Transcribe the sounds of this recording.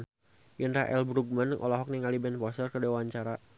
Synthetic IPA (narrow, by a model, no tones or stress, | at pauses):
n | jənraʔɛ̰lbɾuɡ̚mənʔɔ̰lɔɦɔk̚niŋalibɛnpɔsərkədewaɲt͡ʃaɾa